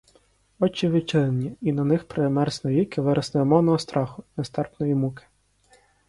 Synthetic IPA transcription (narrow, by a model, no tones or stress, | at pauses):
ɔt͡ʃːiʋɪt͡ʃɪlenʲiinɐnɪxpɾemɛrsnɔlʲikɪʋɪɾʔɐsnɛɔmɔwnɔɦɔst̪ɾɑxʊnɛst̪ɛrpnɔjimukɪ̥